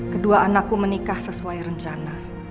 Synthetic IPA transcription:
kəduaanakːumənikahsəsuaiɾəɲt͡ʃana

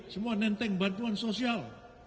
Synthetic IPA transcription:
səmuanɛnt̪ɛŋbant̪uansosial

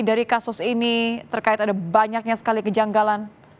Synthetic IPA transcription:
daɾikasʊsinit̪ərkaɪt̪adabaɲak̚ɲasə̥kalikəd͡ʒaŋɡalan

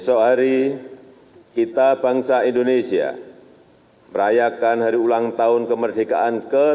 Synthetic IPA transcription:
sɔɦaɾi | kit̪abaŋsaindonesia̰ | məɾajakanɦaɾiulaŋt̪aʊnkəmərdeɡa̰ʔankə

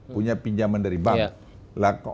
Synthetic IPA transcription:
puɲapiɲd͡ʒamandaɾibaŋ | lak

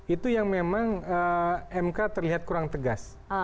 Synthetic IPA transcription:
it̪ujaŋmemaŋəɛmkat̪ərliɦat̪̚kuɾaŋt̪əɡas

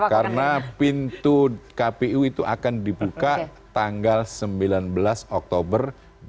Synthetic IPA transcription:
kaɾənapint̪ukapeuit̪uʔa̰kandibukat̪aŋɡalsəmbilanbəlasɔk̚t̪obər

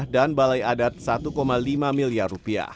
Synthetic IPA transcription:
hdanbalajadat̪̚sat̪ukomalimamiliarrupia̰h

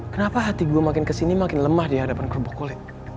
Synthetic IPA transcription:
kənapaɦat̪iɡuamakɪnkəsinimakɪnləmahdiɦadapankɾobokolɛt̪̚

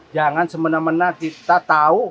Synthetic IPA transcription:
d͡ʒaŋansəmənamənakit̪at̪au

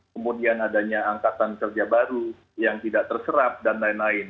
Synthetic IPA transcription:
kəmudianadaɲaːŋkat̪ankərd͡ʒabaɾu | jaŋt̪idaʔ̚t̪ərsəɾap̚danlaɪnlaɪn

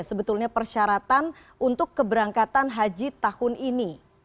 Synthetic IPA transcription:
səbət̪ulɲapərʃaɾat̪an | ʔunt̪ʊkːəbəɾaŋkat̪anɦad͡ʒit̪ahʊnini

